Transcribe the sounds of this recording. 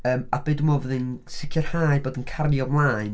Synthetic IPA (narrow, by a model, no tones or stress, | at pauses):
əːmab̥eɨdumɔvəðɨnsɪkʰjɔrhaːjɨboːdənkʰarjɔmlˠaɨn